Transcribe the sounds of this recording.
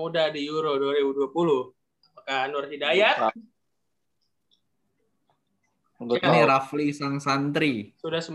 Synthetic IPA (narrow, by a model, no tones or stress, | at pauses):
udadijuɾoduaɾibuduapuluh | apakanʊrɦidajat̪ | niɾaflisaŋsant̪ɾisudasəm